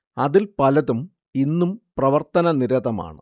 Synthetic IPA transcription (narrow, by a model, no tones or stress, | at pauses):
ɐðilpɐlɐðum | inːumprɐʋɐrt̪ɐnɐniɾɐðɐma̰ːɳɨ̰